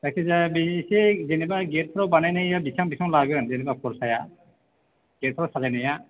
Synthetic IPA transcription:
tasezabisezenɛbaɡɛtʰɔɾɔbanajnajjabisaŋbisʰaŋlaɡɯɾanzenɛbakʰɔlsaja | ɡ̥ɛtʰɔɾɔsazajnaja

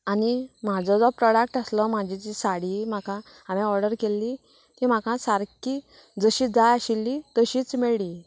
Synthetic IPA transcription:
anim̤ad͡zɔd͡zɔpɾɔɽak̚ʈəslɔm̤ad͡ʑʱit͡ɕisaɽim̤akã | amɛ̃ɔɾɖəɾkelːi | t̪im̤akãsaɾki | d͡zəɕiːd͡zajaɕilːit̪əɕiːt͡smeɭli

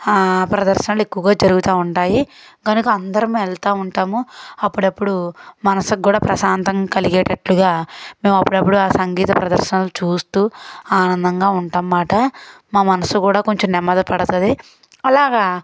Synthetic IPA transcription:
aːpɾɐd̪ɐɾʃɐnaːluekːuʋɐɡaːd͡ʒɐɾuɡut̪aːuɳʈaːjiɡɐnukɐɐnd̪ɐɾɐmuːɛlt̪aːuɳʈaːmuɐpːuɽɐpːuɽumɐnɐsukːuːɽaːpɾɐsaːnt̪ɐŋkɐliɡɛːʈɐʈluɡaːme̞ːmɐpːuɽɐpːuɽuaːsɐŋɡiːt̪ɐpɾɐd̪ɐɾʃɐnalut͡ʃuːst̪uːaːnɐnd̪ɐŋɡaːuɳʈɐmːaːʈɐmaːmɐnɐsukuːɽaːko̞ɲt͡ʃomnɛmːɐd̪ɐpɐɽɐt̪ɐd̪i | ɐlaːɡaː

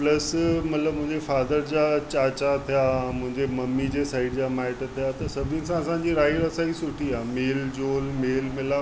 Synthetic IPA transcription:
pləsmɐt̪ləbmũɦɪ̃ɲd͡ʑefaːd̪əɾd͡ʑat͡ɕaːt͡ɕat̪ʰijamʊ̃ɦɪ̃ɲd͡ʑeməmːid͡ʑesaːɪɽd͡ʑamaɪʈt̪ʰijat̪əsɐbʱĩnsãəsãɲd͡ʑiːɾaːiɾəsaisuʈʰiaːmeːld͡ʑoːlmeːlmɪla

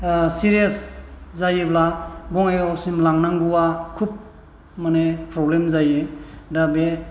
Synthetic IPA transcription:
siɾijeszajiblabɔŋajɔsimlaŋnaŋɡuwakʰup̚ | manepɾɔblemzajɯdabe

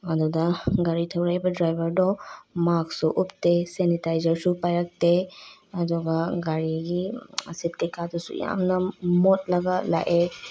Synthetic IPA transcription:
adɔdaɡaɾitʰawɾajbadɾajbəɾdɔmaksɔʔuptesenitajzəɾsupajɾak̚teadɔɡaɡaɾiɡisit̚kekatɔsṵḭja̰mnamɔt̚laɡala̰ʔe

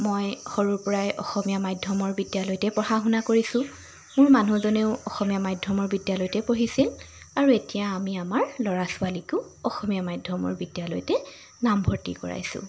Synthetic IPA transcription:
mojxoɹuɹpɔɹajʔɔ̰xɔmijamajdʱjɔmɔɹbidjalɔjtɛpɹɔxaxunakoɹisʊ̃ | mʊɹmanuzɔneʊɔxɔmijamajdʱjɔmɔɹbidjalɔjtɛpoɦisil | aɹuetijaːmiamaɹlɔɹasʊwalikʊʊɔxɔmijamajdʱɔmɔ̰ɹbidjalɔ̰jtɛ | nambʱɔɹtḭkɔ̰ɹa̰jsʊ̰̃

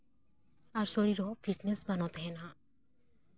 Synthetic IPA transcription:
aɾʃoɾiɾɔfiʈnesbanot̪ena

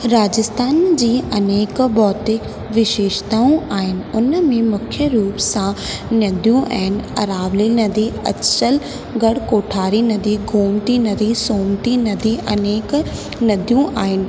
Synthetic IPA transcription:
ɾaːd͡ʑɪst̪ʰaːnd͡ʑiːɐneːkbɔːt̪e | ʋɪʃeːʃt̪aːũʔaːɦɪnɪ̆ʊnmẽmʊkʰjəɾuːpsã | nɐd̪ʱijũʔɛːnɪ̆ɐɾaːʋlinɐd̪ʱiɐ̰t͡ɕəl | ɡɐɽkoːʈʰaːɾinɐd̪ʱiɡʱuːmt̪inɐd̪ʱisoːmt̪inɐd̪ʱiʔɐneːk | nɐd̪ʱijũʔa̰ːɦɪnɪ̆

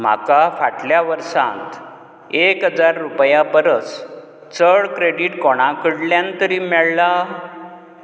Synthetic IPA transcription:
m̤a̰kafaʈljaʋəɾsã̰nt̪ | ekɦəd͡zaɾːupjapəɾət͡s | t͡səɭkɾeɽiːʈkɔɽ̃ãkəɽljãnt̪əɾiːmɛɭla

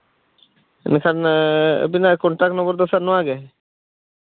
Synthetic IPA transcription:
ɛ̰nkʰanḛbinakɔɳʈaknɔbɔɾd̪ɔsanɔaɡɛ

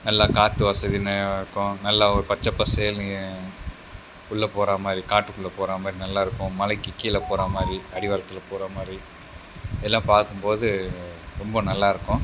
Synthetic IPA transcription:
nɐlːaːkaːt̪ːɯʋɐsɐðinɐɪɾɯkːʊ̃nɐlːaːɔɾɯpɐt͡ʃːɐpːɐseːl | kʊɭːɐpoːɾaːmaːd̪ɾikaːʈːɯkʊɭːɐpoːɾaːmaːd̪ɾinɐlːaːɪɾɯkːʊ̃mɐlɐɪkːɯkːiːlɐpoːɾamaːd̪ɾiɐɽɪʋɐlɐt̪ːɪlɐpoːɾaːmaːd̪ɾi | ɪðɛlːãːpaːɾkɯmpoːðɯɾɔmbɐnɐlːaːɪɾɯkːʊ̃

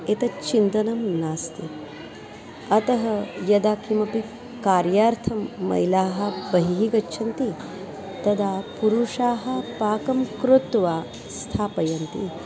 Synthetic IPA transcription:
et̪ɐt͡ʃind̪ɐnɐmnaːst̪ʰi | ɐt̪ɐɦɐjɐd̪aːkʰimɐpi | kaːɾjaːɾt̪ʰɐmːɐ̰jlaːɦɐ̆bɐɦiɦiɡɐt͡ʃːʃʰɐnt̪i | t̪ɐd̪ʱaːpuɾuʂaːɦɐ̆paːkɐmkɾut̪ːʋaː | st̪ʰaːpɐjɐnt̪i

